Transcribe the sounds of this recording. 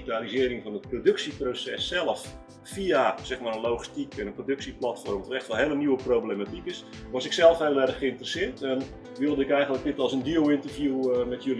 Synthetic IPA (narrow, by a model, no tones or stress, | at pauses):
italizɪəɾɪŋfɔnət̚prodɵksiprosɛsːɛlˠəf | fiasɛxmaːrənloxi̥stikʰɛnənprodɵksiplatfɔrmɔtətɛxtʋɛlˠɦeːləniwəprowblematikɪs | ʋɔsɪksɛlˠəfelˠɛrəxxəɪntərəsɪətɛn | ʋølˠdəɪkɛjɣəntlək̚dɪtɔlˠsəndiowɪntərfjumɛtjøl